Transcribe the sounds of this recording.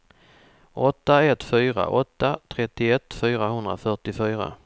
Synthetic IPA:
ʔɔt̪ːaɛt̪ːfyːɾa̰ʔɔt̪ːat̪ʰɾɛt̪ːɪɛt̪ːfyːɾaɦɵnd̪ɾa̰fœʈɪfyːɾa̰

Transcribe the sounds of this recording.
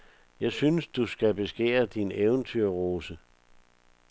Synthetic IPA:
jɑ̈ɪsynəsd̥usɡ̥æb̥e̝sɡ̥ḛːɐd̥ineʊn̩t͡sʰyɐʁo̝ːsə

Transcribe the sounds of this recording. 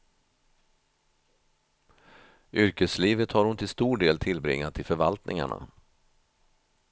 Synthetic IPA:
ʔʏɾkəsliːvət̪haɾhʊnt̪ʰɪlst̪uːɖeːlt̪ʰɪlbɾɪ̰ŋːat̪ʰːɪlfœɾvalt̪nʔɪŋa̰ɳa̰

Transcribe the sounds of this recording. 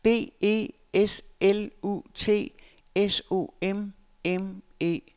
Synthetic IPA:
b̥e̝̰ːe̝̰ː | eselṵt͡sʰe̝̰ː | eso̝̰em | em | e̝̰ː

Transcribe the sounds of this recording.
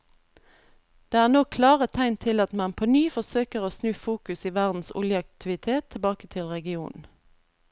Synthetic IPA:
d̪̥eːæːʁnoːkʰlɑːʁət̪ʰæɪnt̪ʰɪlɑt̪mɑnpʰoːnyːfɔsøːkəʁoːsnʉːfuːkʉsiːʋæʁd̪n̩sʊ̰ljəɑk̚t̪ʰɪʋɪt̪ʰeːt̪ʰːɪlbɑːkət̪ʰɪlʁɛɡɪuːnn̩

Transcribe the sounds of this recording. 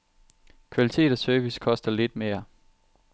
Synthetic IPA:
kʰʋælit͡sʰe̝̰ːɾ̥ˠɒsœːʋiskʰɒ̽sd̥ɐle̝d̥̚me̝ːɐ

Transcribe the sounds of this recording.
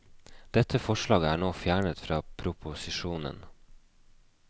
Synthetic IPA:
d̪̥ɛt̪ʰəfɔʃɭɑːɡəæːɳoːfjæːɳət̪fɾɑːpʰɾʊpʰʊsɪʃuːnə̰n

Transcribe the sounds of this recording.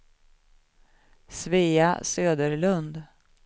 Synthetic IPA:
sviːasøːd̪əɾlɵnd̪

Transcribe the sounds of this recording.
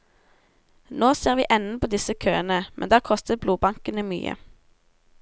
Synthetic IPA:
noːseːʁʋḭːʔɛnn̩pʰoːd̪ɪsəkʰø̰ːənəmʔɛ̰nd̪æːʁkʰɔst̪əbluːbɑŋkənəmy̰ːə̰

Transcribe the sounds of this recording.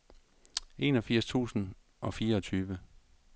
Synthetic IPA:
ʔe̝ːnɒ̽fiɐ̰st͡sʰṵːsn̩ | ʔɒ̽fiːɐɒt͡sʰyːʋə

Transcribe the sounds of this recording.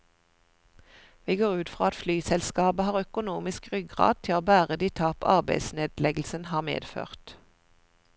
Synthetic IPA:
ʋiːɡoːʁʉːt̪fʁɑːɑt̪flyːsɛlskɑːbəhɑːʁœkʊnuːmɪskʁʏɡɡʁɑ̰ːd̪̚t̪ʰɪloːbæːʁəd̪iːt̪ʰɑːpɑ̰ʁbæɪsneːd̪lɛɡl̩sənhɑːʁmḛːd̪fø̰ːʁt̪

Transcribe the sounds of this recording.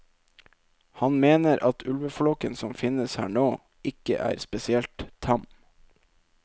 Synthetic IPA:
hɑnmeːnəɾʔɑt̪ʰʉlʋəflɔkənsɔmfɪnəshæ̰ːɳoː | ʔɪkə̰ʔæ̰ːɾspɛsɪɛlt̪t̪ʰɑm

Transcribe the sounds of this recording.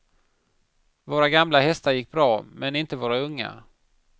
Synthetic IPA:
voːɾaɡamlaɦɛst̪aɾjɪkːbɾɑːmɛnɪnt̪əvoːɾaɵŋːa̰

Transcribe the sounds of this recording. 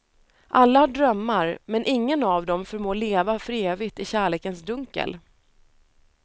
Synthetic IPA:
ʔalːahaɖɾœmːaɾmɛnʔɪŋːənavd̪ɔmfɔɾmoːleːvafɾeːvɪt̪ɪɕæːɭeːkənsd̪ɵŋkə̰l

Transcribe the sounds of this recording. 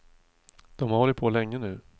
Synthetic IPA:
d̪̥ɔmhaɾvɔɾɪt̪̚pʰoːlɛŋːənʉ̟ː

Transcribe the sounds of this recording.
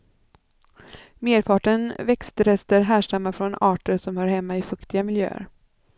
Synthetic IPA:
meːɾpʰɑːʈənvɛkst̪ɾɛst̪əɾɦæːʂamːafɾɔnɑːʈəɾʂɔmhœɾhɛmːaɪfɵkt̪ɪɡamɪljø̰ːə̰ɾ

